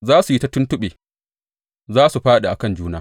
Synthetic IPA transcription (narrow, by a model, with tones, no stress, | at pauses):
zaː˦su˨ji˦ta˦tʊ˦ntʊ˦ɓeː˨ | zaː˦su˨ɸaː˦ɗa˨ʔa˨kɐ˦˨nd͡ʒuː˦naː˦